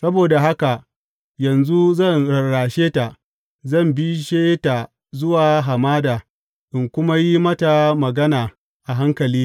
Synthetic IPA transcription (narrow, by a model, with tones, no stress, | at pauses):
sɐ˦boː˨da˨ɦa˦ka˨ʔ | jɐ˨nzu˦zɐ˦˨nɽɐ˨ɽaː˨ʃeː˦ta˨ | zɐ˦˨mbi˦ʃeː˦ta˨ | zʊ˦waː˨ɦa˨maː˦daː˨ | ʔɪ˨ŋkʷʊ˦ma˦ji˦mɐ˦ta˨mɐ˨ɡɐ˦naː˨ | ʔa˨ɦa˦ŋkɐ˨liː˦